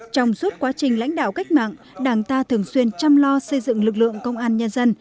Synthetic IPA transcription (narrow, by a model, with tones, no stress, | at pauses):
t͡ɕɔ˧wŋ͡msu˦˥t̚kwaː˨˦t͡ɕï˨˩ŋ̟la̰˧˥jŋ̟ɗa̰ː˧˨wka˦˥jk̟̚ma̰ː˧˨ŋ | ɗaː˨˩ŋt̪aː˧t̪ʰɨ˨˩əŋswi˧ənt͡ɕa˧mlɔ˧sə˧jzɨ̰˧˨ŋlɨ˨˩k̚lɨ̰˧˨əŋkə˧wŋ͡mʔaː˧nɲə˧nzə˧n